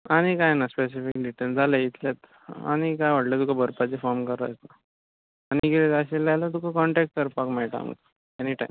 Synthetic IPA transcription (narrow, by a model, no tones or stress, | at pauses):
aɽ̃ikajnaspes̬ifikɖiʈəld͡zʱaləit̪ljat̪ | a̰ñikajʋəɽlət̪ukabəɾpat͡ɕefɔɾmkəɾət̪naː | niɡilet̪əɕelalat̪̬ukakɔɳʈɛk̚ʈ̚kəɾpakmɛʈa̰m̰k | eniʈa̰jm